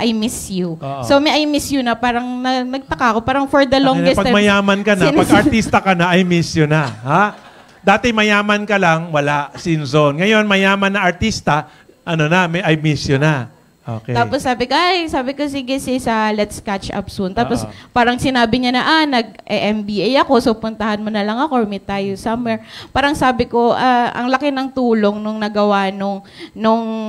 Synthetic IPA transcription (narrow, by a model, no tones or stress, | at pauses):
ʔɐjmisjuosomɛʔɐjmisjʊnɐpaːɾɐŋnɐnɐɡ̚t̪ɐkaɐko̞paːɾɐŋfɔɹd̪ɐloŋɡɡɛspɐɡ̪mɐjaːmɐnkɐnɐpɐɡɐɹt̪ist̪ɐkɐnɐʔɐjmisjonɐha | d̪aːt̪ɛmɐjaːmɐnkɐlɐŋwɐlaʔsɪnsonŋɐjo̞nmɐjaːmɐnːɐʔɐɹt̪ist̪ɐ | ʔɐnonɐmɐjʔɐjmisjonɐ | ʔo̰ːkɛt̪aːposːaːbɪkoʔajsaːbɪko̞siːɡɛsɪsɐlɛt̪skat͡ʃʔɐ̰p̚sunt̪aːpospaːɾɐŋsɪnaːbɪɲanɐʔanɐɡ̚ʔɛʔɛmbiʔɛjɐko̞sopʊnt̪ɐhɐnmonɐlɐŋɐkomɛt̪aːjosɐmɛɹpaːɾɐŋsaːbɪko̞ʔaʔɐ̰ŋlɐkɪnɐŋt̪uːlo̞ŋnʊŋnɐɡɐwanoŋ | nʊŋ